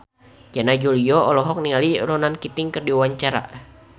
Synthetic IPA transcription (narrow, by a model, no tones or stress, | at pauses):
d͡ʒanad͡ʒuliɔɔlɔɦɔk̚nialiɾɔnankit̪ɪŋkərdiwwaɲt͡ʃaɾa̰